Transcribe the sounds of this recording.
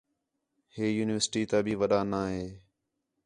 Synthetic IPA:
heːjuːnɪʋəɾsʈiːt̪aːbʱiːʋəɗaːnaːɦeː

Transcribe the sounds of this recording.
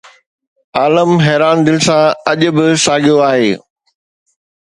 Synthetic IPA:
aːləmɦɛːɾaːnd̪ɪlɪ̆sãɐʄʊ̆bɪsaːɡʱijoaːɦeː

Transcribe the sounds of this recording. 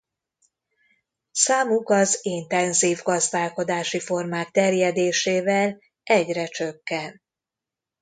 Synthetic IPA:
saːmukɒzint̪ɛnziːvɡɒzd̪aːlko̞d̪aːʃifo̞rmaːk̚t̪ɛrjɛd̪eːʃeːvɛl | ɛɟrɛt͡ʃø̞kːɛn

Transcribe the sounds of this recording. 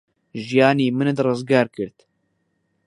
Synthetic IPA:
ʒijɑːniːmɨnɨd̪rɨzɡɑːɾkɨɾt̪

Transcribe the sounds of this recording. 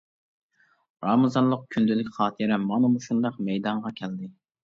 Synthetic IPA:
ɾɑmɨzɑnlˠəq̚kʲʰynd̪ɪlɪkʲχɑːt̪ʰɨɾɛmɑnɨmuʃund̪ɑqmɛjd̪ɑɴʁɑkʲʰɛld̪ɪ

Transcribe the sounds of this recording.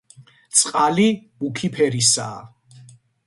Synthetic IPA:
t̪sʼqʼalib̥ukʰipʰɛɾisaː

